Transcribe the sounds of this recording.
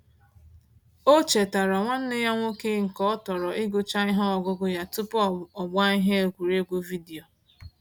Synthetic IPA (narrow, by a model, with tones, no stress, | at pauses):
o˦t͡ʃe˨ta˨ɾa˨ŋʷa˦n̩˦nɪ˦ja˦ŋʷo˦ke˦ŋ̩˨kɔ˦ɔ˦tɔ˨ɾɔ˨ʔɪ˦ɡʊ˦t͡ʃa˦ɪ˦ɦɔ˦ɔ˨ɡʊ˦ɡʊ˦ja˦tʊ˦pɔ˨ɡ͡ba˦i˦ɦe˦e˨kʷu˨ɾe˦ɡʷu˦vi˦di˨o˨